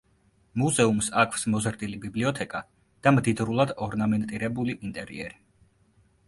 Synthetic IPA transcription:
muzɛumsakʰwsmɔzɾd̪ilibibliɔt̪ʰɛkʼa | d̪̥amd̪id̪ɾulˠad̪ɔɾnamɛnt̪ʼiɾɛbuliʔint̪ʼɛɾḭɛ̰ɾi

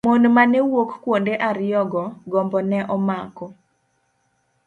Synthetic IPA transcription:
monmanɛwokkwondeʔaɾɪjɔɡɔɡɔmbɔnɛʔɔmakɔ

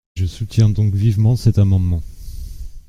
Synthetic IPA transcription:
ʒəsut̪jɛ̃d̪ɔ̃kvivmɑ̃sɛt̪amɑ̃d̪mɑ̃

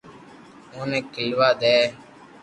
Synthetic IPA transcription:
oːnɛ̃ːkiːʋaːd̪eː

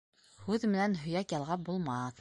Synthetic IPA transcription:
hʉðmɘ̆nænɦɵ̆jækjɑlˠʁɑbulˠmɑʁɤð

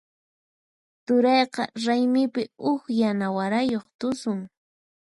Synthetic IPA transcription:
t̪ʊɾɑjqɑɾajmɪpɪʊkjanawaɾajoχt̪ʊsʊŋ

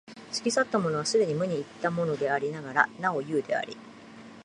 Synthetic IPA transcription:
ɕɨ̥kʲisat̪ːamo̞no̞β̞asɨd̪e̞ɲ̟imɯ̟ɲ̟iːt̪ːamo̞no̞d̪e̞aɾʲinaɡaɾa̰nao̞jɯːd̪e̞a̰ɾʲḭ

